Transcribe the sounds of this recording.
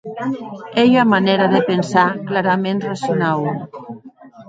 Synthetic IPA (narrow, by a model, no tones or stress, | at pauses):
ejamaneɾaðepensaklaɾamenrasjonaw